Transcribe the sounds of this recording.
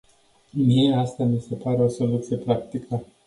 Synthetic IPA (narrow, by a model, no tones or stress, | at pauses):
mieast̪amise̞paɾe̞o̞so̞lut̪sije̞pɾakt̪ikʰə